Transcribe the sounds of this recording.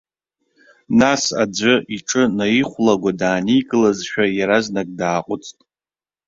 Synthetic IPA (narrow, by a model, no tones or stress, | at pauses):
nasa̰d͡ʒʷɨiʈ͡ʂʼɨnajiχʷlaɡʷadaːnijɡʼɨlazʃᶣajaɾaznakʼdaːqʷʼʊt͡sʰʼtʼ